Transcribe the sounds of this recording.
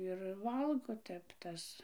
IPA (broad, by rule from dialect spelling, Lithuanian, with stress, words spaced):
ɪr ˈʋɐlˠɡoː ˈtʲɛp ˈtɐs